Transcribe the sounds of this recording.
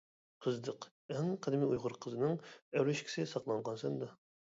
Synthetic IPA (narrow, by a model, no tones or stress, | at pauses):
qʰəzd̪əq | ɛŋqʰəd̪ɪmiujʁʊɾqʰəzɨnɨŋæwɾeʃkʲʰɪ̥sɪsɑqlˠɑɴʁɑnsɛnd̪ɑ